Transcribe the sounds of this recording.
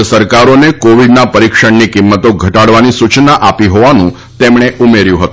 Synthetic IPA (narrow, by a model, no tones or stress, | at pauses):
əsəɾkaɾonekoʋiɖnapəɾikʃəɳnikɪmːət̪oɡʱəʈaɽʋanisut͡ʃnaʔapiɦoʋanṵ̃ | t̪emɳ̃eʔumeɾjũɦət̪ũ